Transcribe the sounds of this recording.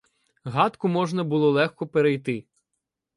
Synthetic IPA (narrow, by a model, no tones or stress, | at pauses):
ɦɑt̪kʊmɔʒnɐbʊlˠɔlˠɛxkɔpeɾejt̪ɪ